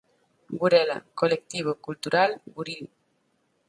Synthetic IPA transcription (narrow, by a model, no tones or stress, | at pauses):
ɡuɾɛla̰kolek̚t̪iβ̞okult̪uɾalɡuɾil